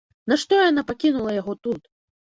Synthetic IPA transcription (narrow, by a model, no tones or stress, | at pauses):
naʂt̪ɔjanapakʲinulˠɐjaɣɔt̪ut̪